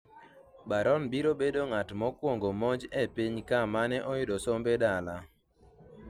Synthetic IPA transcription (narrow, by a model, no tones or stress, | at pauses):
baɾɔnbiɾobedoŋatmɔkwoŋɡomɔd͡ʒepiɲkamanɛʔɔjʊdɔsombedala